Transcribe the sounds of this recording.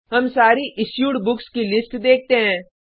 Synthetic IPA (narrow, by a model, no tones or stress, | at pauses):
ɦɐmsaːɾiʔɪsjuːɖbʊkskilɪsʈd̪eːk̚ʰt̪eɦɛ̃ː